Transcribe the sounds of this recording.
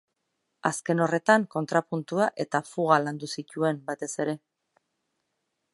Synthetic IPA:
aske̞no̞re̞t̪aŋko̞nt̪ɾapunt̪uaʔe̞t̪afuɣ̞aland̪usic̪ue̞mbat̪e̞se̞ɾe̞

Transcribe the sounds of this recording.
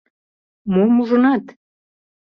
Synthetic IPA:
momuʒə̆nɑt̪

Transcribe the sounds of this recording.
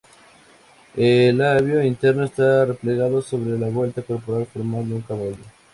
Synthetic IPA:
elaβjoint̪eɾnoest̪are̞pleɣaðoso̞βɾelaβwe̞lt̪ako̞ɾpo̞ɾalfoɾmald̪euŋkaβaʎo

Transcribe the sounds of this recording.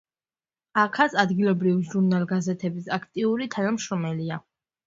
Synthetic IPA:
akʰasad̪ɡilˠɔbɾiviʒuɾnalˠɡazɛt̪ʰɛbisakʰt̪ʼiuɾit̪ʰanamʃɾɔmɛlia

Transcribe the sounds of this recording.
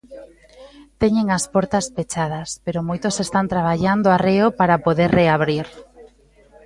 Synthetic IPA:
t̪eɲeŋaspɔɾt̪ɐspet͡ʃað̞ɐspeɾomojt̪osest̪ant̪ɾaβ̞aʎand̪oareopaɾapoðeɾreaβɾiɾ

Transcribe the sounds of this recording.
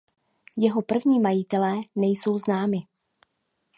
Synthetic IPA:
jɛɦo̞pr̩vɲiːmajɪt̪ɛlɛːnɛjso̞wznaːmɪ

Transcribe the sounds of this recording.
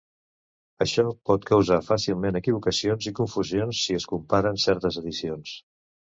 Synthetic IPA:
əʃɔpɔt̪kəwzafasilˠmenəkiβ̞ukəsionzikuɱfuzionsːiəskumpaɾənsɛɾt̪əzəðisions

